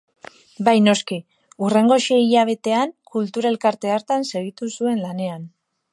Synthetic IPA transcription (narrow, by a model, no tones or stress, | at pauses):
bajno̞ski | ure̞ŋɡo̞ʃeiʎaβ̞e̞t̪e̞aŋkult̪uɾae̞lkaɾt̪e̞aɾt̪anse̞ɣit̪usue̞nlane̞an